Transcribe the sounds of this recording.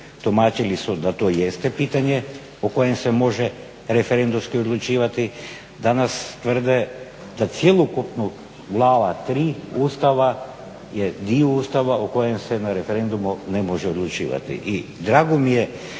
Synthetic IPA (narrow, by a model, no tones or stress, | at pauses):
t̪omaːt͡ʃilisud̪at̪ojest̪epit̪aɲe | okojemsemo̞ʒɛ | ɾefeɾend̪umskiod̪lˠut͡ʃiːʋat̪i | d̪anast̪ʋr̩d̪ɛ | d̪at̪sjelˠokupno | ɡlˠaːʋat̪ɾiːust̪aʋa | jed̪ioust̪aʋaʔokojemsenaɾefeɾend̪umunemoʒɛod̪lˠut͡ʃḭːʋa̰t̪ḭʔid̪ɾaɡomije